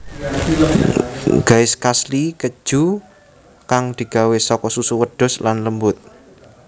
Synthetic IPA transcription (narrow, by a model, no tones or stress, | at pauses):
ɡ̥a̤ɪskaslikə̥ʒ̥u | kaŋd̪̥i̤ɡ̥a̤wesɔkɔsusuwəɖ̥ɔ̤slanləmbʊt̪̚